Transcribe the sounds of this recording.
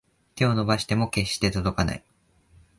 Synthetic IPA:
t̪e̞o̞no̞baɕi̥t̪e̞mo̞ke̞ɕːi̥t̪e̞t̪o̞d̪o̞kana̰i

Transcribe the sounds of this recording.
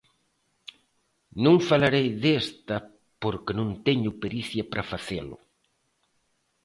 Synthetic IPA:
nõŋfalaɾejðest̪ɐ | poɾkɪnõnt̪eɲʊpeɾiθjɐpɾafaθelʊ̰

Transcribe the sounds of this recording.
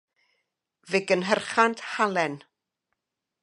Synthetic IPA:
vɪɡənɦərχanthalɛn

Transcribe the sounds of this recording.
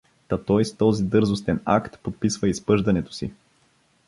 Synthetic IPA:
t̪ɐt̪ɔjst̪ɔzid̪ɤɾzost̪ɛna̰kt̪pot̪̚pisvəispɤʒd̪ɐnɛt̪o̥si

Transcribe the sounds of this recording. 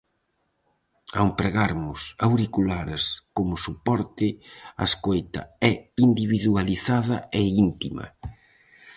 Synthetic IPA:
a̰wmpɾeɣaɾmʊsawɾikulaɾɪskomʊsupɔɾt̪ɪɐ̰skojt̪ɐ̰ɛind̪iβiðualiθaðɐɛint̪imɐ̰

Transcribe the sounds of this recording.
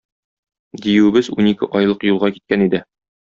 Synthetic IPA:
d̪ijɘwɘ̆bɘzunikɘ̰ʔɒjlˠɤqjulˠʁɑki̥t̪̚kænid̪ɘ

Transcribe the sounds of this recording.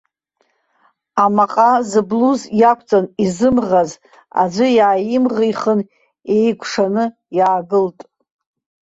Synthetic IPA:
amaqʼazɨbluzjakʷʰʼt͡sʼanizɨmʁaz | a̰d͡ʒʷɨjaːjɪmʁijχən | e̞jɡʷʰʂanɨ | jaːɡɨltʼ

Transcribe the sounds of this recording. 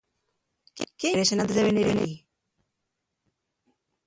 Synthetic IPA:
keɾesenant̪ezðeβeniɾeni

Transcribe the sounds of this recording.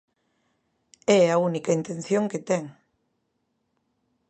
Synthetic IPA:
ɛɐunikɐint̪ẽnθjoŋket̪ɛŋ

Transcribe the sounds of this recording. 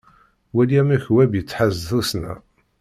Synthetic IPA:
wæliæmæçwæbjət͡sːħəzθusnæ̰

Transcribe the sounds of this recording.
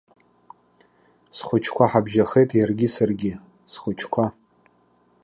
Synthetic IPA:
sχʷʊt͡ʃʰkʷʰaħabʒaχejtʼjarɡʲisarɡʲɪ | sχʷʊt͡ʃʰkʷʰa

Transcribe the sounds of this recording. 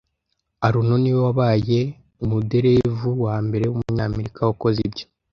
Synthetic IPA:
aɾuno̞niwowaβaːje̞ | umude̞ɾe̞vuwaːmbe̞ɾe̞wumuɲaːme̞ɾikawako̞zibjo

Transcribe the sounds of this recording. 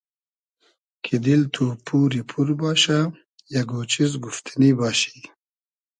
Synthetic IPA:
kʰid̪ilt̪ʰuːpuːɾipʰuɾbɑːɕa | jaɡoːt͡ɕizɡuft̪ʰinibɑːɕi̥

